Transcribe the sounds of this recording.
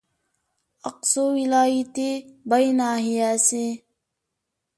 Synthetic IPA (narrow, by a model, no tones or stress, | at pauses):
ɐqsoːwilaːit̪ebəjnaːɦijase